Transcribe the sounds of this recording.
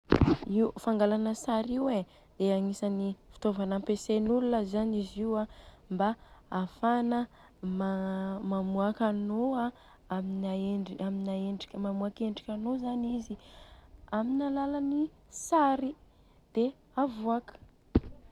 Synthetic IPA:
iufaŋɡalanəsaɾiwe | d̪̥eaŋisanifi̥t̪ovanampesenulunəzaniziwambaafanə | mamamuakanoa | aminaeɳiaminaeɳɖ͡ʐi̥kʲəmamuakeɳɖ͡ʐikʲanozanizi | aminalalani | saɾi | d̪̥e | avuakə̥

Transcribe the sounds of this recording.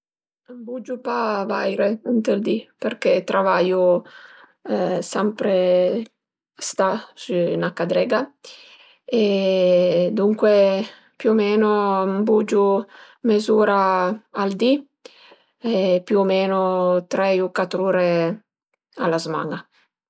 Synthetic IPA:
mbud͡ʒupavajɾeint̪eld̪iperket̪ɾʔavaːju | sɛmpɾe | st̪asunakad̪ɾɛɡa | e | d̪uŋkwe | pjuomeːnombud͡ʒu | mezuːɾaald̪i | epjuomeːnot̪ɾɛukat̪ːɾuːɾe | alːazma̰ŋa

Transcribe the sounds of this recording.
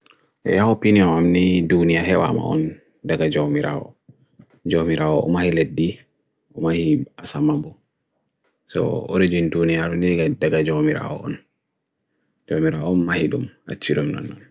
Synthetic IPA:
ʔɛ̰jaopiniɔnamnidunijahɛwa̰ma̰ɔ̰n | daɡad͡ʒomiɾa̰ɔ̰ | d͡ʒomiɾaɔ̰ʔɔ̰mahiledːi | ʔumahiasamabɔ | sɔ̰o̰ɾid͡ʒindunijaɾunɛɡadaɡad͡ʒomiɾa̰ɔ̰ʔɔn | d͡ʒomiɾaɔnmahiɗṵma̰t͡ʃːiɾumnɔ̰nːɔn

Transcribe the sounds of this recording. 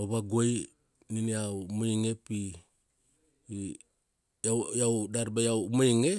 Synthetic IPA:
oβaɡoj | niniawmujŋepi | ajawdaɾbajawmujŋe

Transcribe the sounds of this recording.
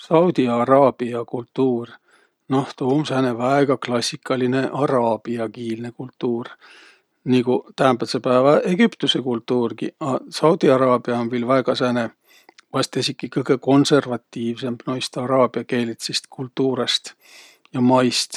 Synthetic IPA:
sɑwd̪̥iɑɾɑːb̥iɑkult̪ːuːr | no̞ht̪uːmsæne̞væeɡ̥ɑklɑsʲːikːɑline̞ʔɑɾɑːb̥iɑkiːlne̞kult̪ːˑuːr | niɡut̪æhænb̪ɑt̪sepæeːvɑʔe̞ɡ̥ypt̪use̞kult̪ːuːrɡḭɑsɑwd̪̥iɑɾɑːb̥iɑonviːlvæeɡ̥ɑsæːne̞ | vɑst̪esikːˑikɤjɡ̥e̞ko̞nse̞rvɑt̪ːiːvse̞mbnojst̪ɑɾɑːb̥iɑke̞ːlit̪sist̪̚kʰult̪ːˑuːɾest̪ | jɑmɑjst̪

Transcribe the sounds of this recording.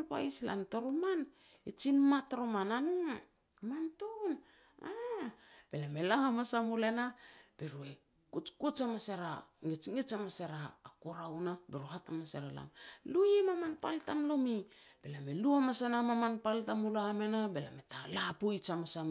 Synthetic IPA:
lpa̰jsla̰nto̞ɾoman | et͡ʃinmatɾomananu | manton | a | b̥e̞lamelahamasamulenab̥eɾue | kut͡ʃkut͡ʃamaseɾaŋet͡ʃŋet͡ʃamaseɾaːkoɾawnabeɾuhatamaseɾala̰mlujemamanpaltamlomib̥e̞lameluamasenamamanpaltamulaamenabela̰me̞talapojt͡ʃamasam

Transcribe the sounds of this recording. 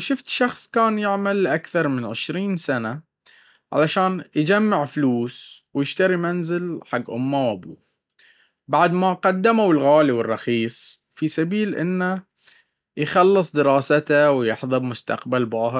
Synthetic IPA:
ʃʊft̪ʃɑxsˤkaːnjɪʕmalːʔakθɑɾˤmɪnʕɪʃɾiːnsana | ʕa̰laʃaːnjd͡ʒamːɪʕfluːswjɪʃt̪aɾimanzɪlħaɡːʔʊmːawʔabuː | baʕd̪maqɑd̪ːamawɪlɣaːliwɪrˤːɑxiːsˤ | fisabiːlʔɪ̰nːa | jxɑlːɨsˤd̪ɪɾɑːsat̪awjɪħðˤɨbmʊst̪a̰qbalbɑːɦɾ

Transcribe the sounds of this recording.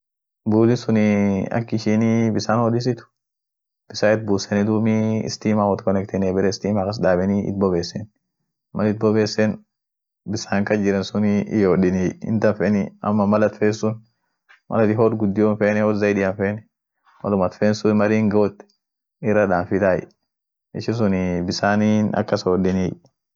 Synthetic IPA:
buːlɪsʊnɪɐ̰kːɪʃiːnibɪsaːnhɔdɪs̬ɪt̪ʊ̥ | b̥ɪsaːɪt̪̚buːsɛnɪd̪uːmiɪ̰st̪iːmaːwɔt̪kɔnɛkt̪ɛnɛbɛɾɛst̪iːmaːkɐs̬daːbɛniʔɪ̰t̪̚bɔbeːsːɛn | mɐlɪt̪̚bɔbeːsːɛn | bɪsaːŋkɐd͡ʒɪɾɛnsʊnḭjoːɗɪniɪ̰nt̪ɐnfɛniɐ̰mːɐmɐlɐt̪feːnsʊn | mʔɐ̰lɐt̪ɪɦoːɾɡʊd̪ːɪjoːnfeːnɛɔzɐjᶑɪjɐnfeːnɛ | mɐ̰lʊmɐt̪feːnsʊnmɐɾiːŋɡoːt̪ː | ɪrːɐᶑaːnfɪt̪aːj | ɪʃɪs̬ʊnbɪsaːninɐ̰kːɐsoɗɪniː

